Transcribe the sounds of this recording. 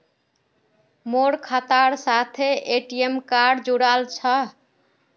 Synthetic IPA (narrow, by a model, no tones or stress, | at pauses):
moɽkʰat̪aɾsat̪ʰeʔeʈiemkaɖd͡ʒuɽalt͡ʃʰə